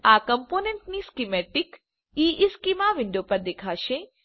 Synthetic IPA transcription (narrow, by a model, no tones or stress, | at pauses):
akəmponeɳʈniskimɛʈɪk | iʔiskimaʋɪɳɖopəɾd̪ekʰaːʃe